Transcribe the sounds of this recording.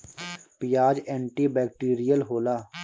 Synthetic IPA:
pijaːd͡ʒɛ̃ːɳʈiːbɛːkʈiːɾijəlɦoːlaː

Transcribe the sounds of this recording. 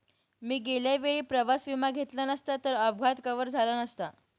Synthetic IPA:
miːɡeljaʋeɭiːpɾəʋasʋimaɡʱet̪lanəst̪at̪əɾəbɡʱat̪kəʋəɾd͡zʱalanəst̪a

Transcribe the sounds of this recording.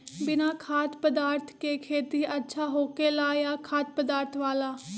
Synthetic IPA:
bɪnaːkʰaːt̪pəd̪aːɾt̪ʰkeːkʰeːt̪iːətːʃʰaːɦoːkeːlaːjaːkʰaːt̪̚pəd̪aːɾt̪ʰʋaːlaː

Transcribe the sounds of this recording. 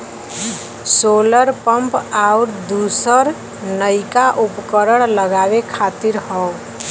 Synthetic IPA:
soləɾpəmpauɾd̪usəɾ | nəɪkaʔupkəɾəɽ̃ləɡabekʰat̪iɾɦɔ

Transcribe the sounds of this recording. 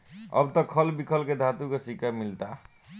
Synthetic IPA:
ʌ̰bt̪ɔkʰʌlbikʰəlked̪ʱat̪ukesikamilt̪a

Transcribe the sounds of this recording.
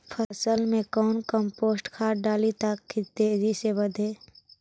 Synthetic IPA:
pʰəsəlmẽkɔːnkəmpoːsʈkʰaːɾɖaːlit̪əkːit̪eːzisebəd̪ʱeː

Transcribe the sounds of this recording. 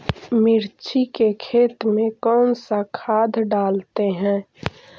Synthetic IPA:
mɪɾt͡ʃʰikekʰeːt̪mẽkɔːnsakʰaːd̪ʱɖaːlt̪eɦɛ̃ː

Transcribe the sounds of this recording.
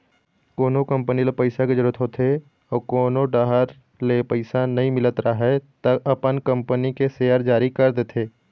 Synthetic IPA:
koːnokɐ̃mpənilepəɪsaked͡ʒəɾuət̪ʰɦoːt̪ʰe | ɔːkoːnoɖaːɦəɾ | lepəɪsanɐɦĩmɪlət̪ɾaɦɛt̪ɐɐpənkɐ̃mpənikeseːəɾd͡ʒaːɾikɐɾd̪et̪ʰeː

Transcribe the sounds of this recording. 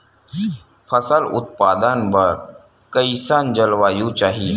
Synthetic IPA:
pʰɐsəlʊ̰t̪paːd̪ənbɐɾ | kəisaːnd͡ʒəlʋaːjũt͡ʃaːɦi

